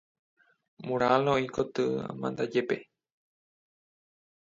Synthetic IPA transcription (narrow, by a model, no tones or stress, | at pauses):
mũɾ̃alõĩkot̪ɨa̰mã̰nd̪ad͡ʒepe